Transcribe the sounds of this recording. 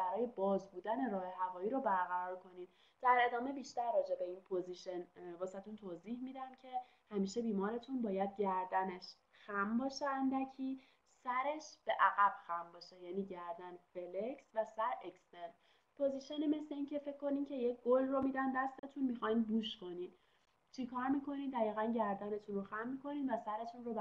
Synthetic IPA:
bæɾɒːje̞bɒːzbuːd̪æne̞ɾɒːheɦævɒːiːɾobæɾɣæɾɒːɾkʰo̞niːd̪ | d̪̥æɾe̞d̪ɒːme̞biːʃt̪æɾːɒːd͡ʒe̞be̞iːnpʰoziʃenbɒːsæt̪ʰunt̪ʰozihmiːd̪æmcʰe̞ | hæmiːʃe̞biːmɒːɾe̞t̪ʰunbɒːjæd̪̚ɟæɾd̪æne̞ʃ | xæmbɒːʃeænd̪æcʰiː | sæɾe̞ʃb̥e̞ʔæɣæb̥xæmbɒːʃejæniːɟæɾd̪ænfe̞lecsvæsæɾekst̪en | pʰoziʃeneme̞sle̞iːncʰefe̞cʰːo̞niːmcʰe̞je̞cʰɡ̥olromiːd̪ænd̪æst̪e̞t̪ʰuːnmixɒjnbuːʃkʰo̞nid̪ | t͡ʃʰikʰɒːɾmiːkʰo̞niːd̪d̪æɣiːɣænɟæɾd̪æne̞t̪ʰunroxæmːiːkʰo̞niːd̪væsæɾe̞t̪ʰunrobæ

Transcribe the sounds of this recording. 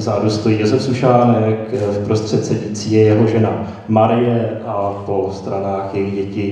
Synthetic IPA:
zaːɾust̪ujijozɛfsuʃaːnɛkfpɾo̞st̪r̥ɛt̪sɛɟit͡siːjɛjɛɦo̞ʒɛna | maɾɪjɛʔapo̞st̪ɾanaːxjɛjɪxɟɛcɪ

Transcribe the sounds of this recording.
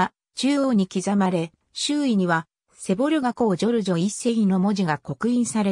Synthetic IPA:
t͡ɕɨːoːɲ̟ikʲizamaɾe̞ | ɕɨːiɲ̟iβa | se̞bo̞ɾʲɯɡako̞ːd͡ʑo̞ɾɯ̟ʑo̞ise̞ĩno̞mo̞ʑiɡako̞kɯ̟ĩɰ̃saɾe

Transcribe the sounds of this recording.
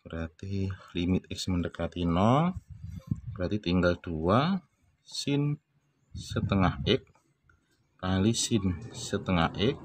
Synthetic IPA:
b̥əɾart̪ilimɪt̪̚ɛksməndəkat̪inɔ | b̥əɾat̪it̪iŋɡald̪̥ua | sɪn | sət̪əŋahɪk̚ː | alisɪnsət̪əŋahʔɪk̚

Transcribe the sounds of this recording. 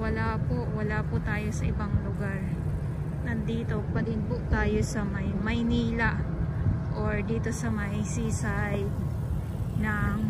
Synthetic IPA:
wɐlaːpoʔwɐlaːpʊt̪aːjo̞sɐʔɪbaŋlʊɡaɹ | nɐnd̪iːt̪o̞pɐɡɪŋpʊʔt̪aːjo̞sɐmɐjmɐjniːlɐʔ | ʔoɹd̪iːt̪o̞sɐmɐjsiːsajd̪ | nɐŋ

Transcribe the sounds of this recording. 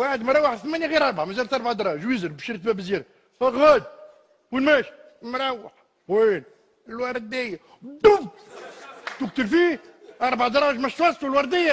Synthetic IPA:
waħəd̪mɾˤɑwəħθmænjaɣiɾɑɾˤbaʕmæzæɾt̪ɑɾˤbaʕd̪ɑɾˤɑʒwizəɾbʃiɾt̪mæbəzjɛɾ | ɣæd̪̚ | winmæʃ | mɾˤɑwħ | win | lwɑɾˤd̪ɪj | d̪ub | t̪uk̚t̪əlfi | ɑɾˤbaʕd̪ɑɾˤɑːʒmæʃt̪wɑst̪ulwɑɾˤd̪ɪjæ

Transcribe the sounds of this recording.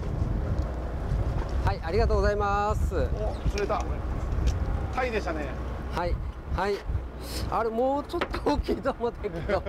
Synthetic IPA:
haiʔaɾʲiɡat̪oːɡozaimasɨsɨɾet̪a | t̪ʰaid̪e̞ɕt̪anehai | hai | aɾemoːt͡ɕo̞t̪ːooːkʲiːt̪omot̪ʰeked̪o

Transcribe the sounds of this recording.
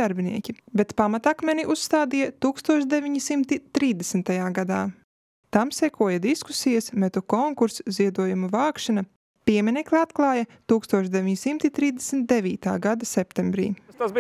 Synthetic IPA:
aɾbiniɛkʲibɛt̪pamat̪akmɛniʔusːt̪aːd̪ijɐt̪uːkst̪uɔʃd̪evʲiɲisimt̪it̪ɾiːzd̪esnt̪ajaːɡad̪aː | t̪amsɛkʰuɔjɐd̪isku̥sijasmɛt̪ukɔŋkuɾsziɛd̪uɔjumuvaːkʃana | piɛmʲinʲɛklˠat̪klˠaːjat̪uːkst̪uɔʃd̪evʲiɲisimt̪it̪ɾiːzd̪esnt̪̚d̪evʲiːt̪a̰ːɡad̪ɐsɛpt̪embɾḭːt̪asb

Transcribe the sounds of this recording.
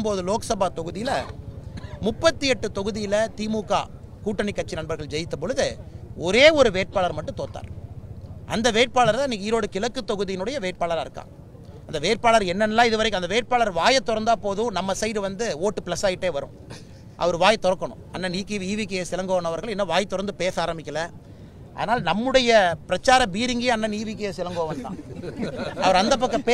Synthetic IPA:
mboːðɯloːkɐsɐbaːt̪ɔɣɯðɪjɪlɐ | mʊpːɐt̪ːiɛʈːɯt̪ɔɣɯðɪjɪlɐt̪iːmuːkːa̰ːkuːʈːɐɳɪkːɐt͡ʃːinɐɳbɐɾɣɐɭd͡ʒɛjɪt̪ːɐp̬ːɔɻɯðɯɔɾeːɔɾɯʋeːʈ̚paːɭɐɾmɐʈːɯ̃t̪oːt̪ːa̰ːɾ | ʔɐ̰nd̪ɐʋeːʈ̚paːlɐɾt̪ãːniːŋiːɾoːɽɯkɪlɐkːɯt̪ɔɣɯðɪjɪnɯɽɐjɐʋeːʈ̚paːɭɐɾaɪɾɯkːa̰ːŋ | ɐnd̪ɐʋeːʈ̚paːlɐɾɛnːɐnːɐlːãːɪðɯʋɐɾɐɪkːɯɐnd̪ɐʋeːʈ̚paːlɐɾʋaːjɐt̪ːɔɾɐnd̪aːpoːðʊ̃nɐmːɐsɛjɾɯʋɐnd̪ɯoːʈːɯplɐsaːjɪʈːeːʋɐɾɯ̰̃ | ʔɐ̰ʋɐɾɯʋaːjɐt̪ɔɾɐkːɐɳʊ̰̃ɐnːɐniːkːiʋ̪iːʋɪkːɐjɐsɪlɐŋɡoːʋɐnɐʋɐɾɣɐɭɛnːɐʋaːjt̪ːɔɾɐnd̪ɯpeːsaːɾɐmɪkːɐlɐ | ʔɐ̰ðɐnaːlɐnɐmːɯɽɐjɐpɪɾɐt͡ʃːaːɾɐbiːɾɪŋɡɐjɐnːɐniːʋɪk̬ːɐjɐsɪlɐŋɡoːʋɐnt̪ã̰ː | ɐʋɐɾɐnd̪ɐp̬ːɐkːɐpe

